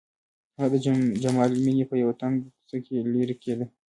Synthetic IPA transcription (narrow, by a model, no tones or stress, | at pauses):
had̪əd͡ʒamɑliminepəjawat̪aŋksakʰeleɾiked̪ə